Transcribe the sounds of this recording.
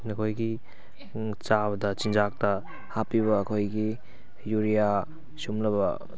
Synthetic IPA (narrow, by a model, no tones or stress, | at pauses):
nɐkʰojɡi | t͡ʃabɐdɐt͡ʃind͡ʒak̚tɐ | hapiβɐːkʰojɡi | juɾija | sumlɐbɐ̰